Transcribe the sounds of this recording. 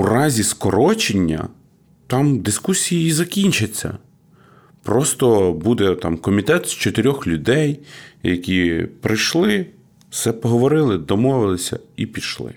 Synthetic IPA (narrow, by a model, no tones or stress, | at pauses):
urɑzʲiskɔɾɔt͡ʃenʲːɐ̰ | t̪ɑmd̪ɪskusʲijiizɐkʲinʲt͡ʃɪt͡sʲːɐ̰ | pɾɔst̪ɔbud̪ɛt̪ɑ̰mkɔmʲit̪ɛt̪st͡ʃɔt̪ɪɾʲɔxlʲʊd̪ɛjjɐkʲipɾɪjʃlˠɪ | wsɛpɔɦɔʋɔɾɪlˠɪd̪ɔmɔʋɪlˠɪsʲɐ̰ipʲid̪ʃlˠɪ̰